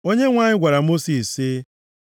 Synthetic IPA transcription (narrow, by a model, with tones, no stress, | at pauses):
o˦ɲe˦ŋʷaː˦˨ɲɪ˦ɡʷa˨ɾa˨mo˦si˨sɪ˦